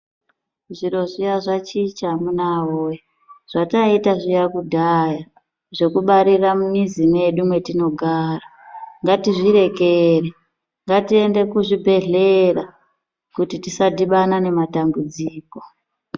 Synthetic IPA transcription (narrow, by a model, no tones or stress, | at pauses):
ʐiɾo̞ʐijaʐat͡ʃit͡ʃamunawoːja | ʐ̥ataitaʐijakudʱaja | ʐe̞kuɓaɾiramumizineɗumwe̞tino̞ɡʱaːraŋɡatiʐiɾe̞kere | ŋɡatie̞nde̞kuʐibʱe̞ɮera | kutitisadiɓanane̞matambud͡ziːko̞̥